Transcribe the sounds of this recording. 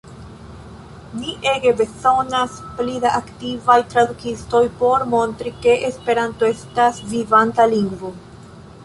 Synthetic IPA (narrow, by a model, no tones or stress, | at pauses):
miʔe̞ɡe̞be̞so̞nasplidaʔaktivajtɾadukisto̞jpo̞ɾmo̞ntɾike̞ʔespe̞ɾanto̞e̞stasvivantaliŋɡvo̞